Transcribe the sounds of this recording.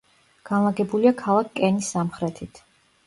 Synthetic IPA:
ɡ̥anlˠaɡɛbuliakʰalˠakʰkʼɛnisːamχɾɛt̪ʰit̪ʰ

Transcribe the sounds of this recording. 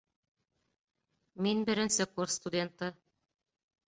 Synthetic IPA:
minbɘ̆ɾɘ̆nsɘkursst̪udʲent̪ɤ

